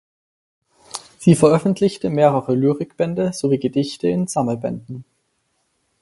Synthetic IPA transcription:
z̥iːfɛɐʔœfn̩tʰlɪçtəmeːʁəʁəlyːʁɪkb̥ɛndəz̥oviːɡədɪçtəɪnz̥aml̩bɛ̰ndn̩

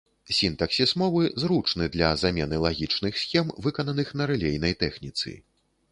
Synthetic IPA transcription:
sʲint̪ɐksʲismɔvɨzɾut͡ʂnɨd̪lʲɐzamʲɛnɨlˠaɣʲit͡ʂnɨxsʲxʲɛmvɨkɐnɐnɨxn̪ɐɾɛlʲejnɐjt̪ɛxnʲit̪sɨ̰

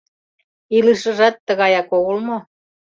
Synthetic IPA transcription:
ilɯʃɤ̆ʒɑt̪ːə̆ɣɑjɑkoɣolmo

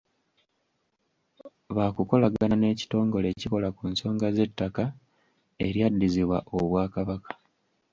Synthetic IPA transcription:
βakuko̞laɡanane̞ːci̥to̞ːŋɡo̞le̞ːciko̞lakunso̞ːŋɡaze̞tːaka | e̞̰ɾjadːiziβwa̰ʔoβwaːkaβakḁ

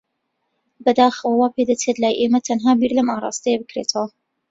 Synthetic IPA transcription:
bɐd̪aːxəwɐwaːpʰeːd̪ɐt͡set̪laːjʔeːmɐt̪ʰɐnɦaːbiːɾlɐmaːrˤɑ̰ːst̪ɐjebɨkɾeːt̪ʰɐwɐ

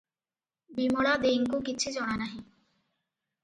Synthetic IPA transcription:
bimoɽad̪eŋkukit͡ɕʰud͡ʑɔɽ̃anaɦi

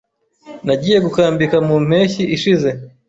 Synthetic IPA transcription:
naɟiːje̞ɡukaːmbikamuːm̥e̞ːçiʔiʃize̞

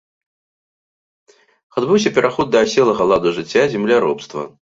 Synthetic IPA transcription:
ad̪bɨwsʲɐpʲɛɾʔaxɔd̪̚d̪ɐsʲɛlˠɐɣɐlˠad̪uʐɨt͡sʲːazʲɛmlʲaɾɔpst̪vɐ̰

